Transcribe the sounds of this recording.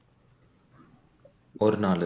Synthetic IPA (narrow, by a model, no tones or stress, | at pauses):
ɔɾɯnaːlɯ